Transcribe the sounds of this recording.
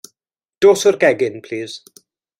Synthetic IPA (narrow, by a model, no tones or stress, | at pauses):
d̥oːsɔrɡɛɡɪnpʰl̥iːz̥